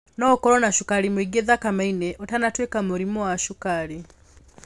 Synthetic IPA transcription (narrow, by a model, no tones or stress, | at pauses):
nɔːkɔɾɔnaʃukaɾimwiɡeðakamainɛʔɔtanatwekamuɾimɔwaʃukaɾi